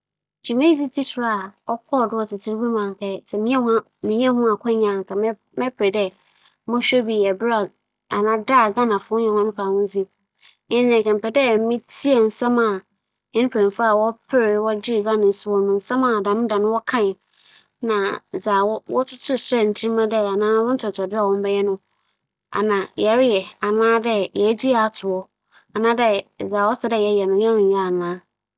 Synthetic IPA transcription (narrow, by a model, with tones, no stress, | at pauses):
d͡ʑi˨mẽ˦si˦tʰi˦tʰʊ˨ɾa˨ɔ˦kʰɔ˦˨dʊ˦wɔ˦tʰɪ˨tʰɪ˦ɾwu˦mã˨ŋ˨kʰɛ˦˨sɛ˨mĩ˦ɛ̃˦ha˦ | mĩ˨ɲ˦ɛ̃˦hʊ̃˦a˨kʰɔ̃˦ɲã˨ŋ˨kʰa˨m˦ | mɛ˦pʰɾe˨dɛ˦ | mɔ̃˦ɕᶣo˦bi˨ɛ˨bɪ˦a˨ | a˨nã˦da˦˨ɡa˦nã˨fʊ˨˦ɲɛ̃˨hʊ̃˦nʊ̃˦fa˨nʊ̃˦n˦d͡zi˦ | ɪ̃˦nã˨kɛ̃˨m̩˨pɛ˨dɛ˦˨˦mɪ̃˦tʰi˦ɛ˨n̩˨sã˦mã˨ | ɛ̃˦n˦pʰɛ̃˨fa˦a˦˨wɔ˦pʰɪ˦ɾɪ˨˦wɔ˦d͡ʑɪ˦˨ɡã˦nã˨n˨su˦wɔ̃˨nʊ̃˨n̩˨sã˦mã˨dã˨˦nʊ̃˦da˨nʊ̃˦wɔ˦kʰã˦ɪ˨ | nã˨zaː˨wɔ˦wɔ̰˦tʰʊ˦tʰʊ˦˨sɾɛ˦˨n̩˨tʰĩ˦mã˦dɛ˦a˨nãː˦wɔ̃˦n̩˦tʰʊ˨ɔ˨tʰɔ˨dɪ˦a˨wɔ̃˦m˦bɛ˦jɛ˦nʊ̃˦ | a̰˨nã˨jɛ˨˦ɾɪ˦jɛ˨a˨nãː˦dɛ˦jɛ˨˦d͡ʑi˦a˨a˨tʰʊ˨ɔ˨ | a˨nãː˦dɛ˦˨zaː˨wɔ˦sɛ˦dɛ˦˨jɛ˦jɛ˨nʊ̃˨jɛ̃˦nʊ̃˨ja˦a˨nãː˦